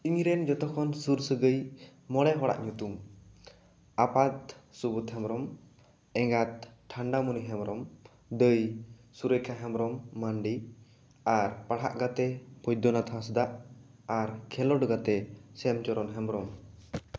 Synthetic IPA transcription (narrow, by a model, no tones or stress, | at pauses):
iŋɾɛnd͡ʒɔt̪ɔkʰɔnsuɾsəɡəjmɔɽɛɦɔɽa̰ʔɲut̪um | apat̪̚subut̪ɦɛmɾɔm | ɛŋɡat̪̚ʈʰaɳɖamuniɦɛmɾɔm | d̪əjsuɾəjkʰaɦɛmɾɔmːaɳɖi | aɾpaɽ̤ɦa̰ʔɡat̪ɛpʰɔjd̪ɔnat̪ʰãs̬d̪aʔ | aɾkʰɛlɔɖɡat̪ɛsɛmt͡ʃɔɾɔnɦɛmɾɔm